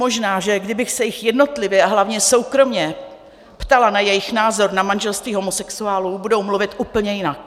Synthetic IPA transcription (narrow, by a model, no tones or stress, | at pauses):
o̞ʒnaːʒɛɡdɪbɪxsɛjɪxjɛdno̞t̪lɪvjɛʔaɦlavɲɛso̞wkɾo̞mɲɛ | pt̪alanajɛjɪxnaːzo̞ɾnamanʒɛlst̪viːɦo̞mosɛksuaːlubudo̞wmluvɪt̪ʔuːpl̩ɲɛjɪnak̚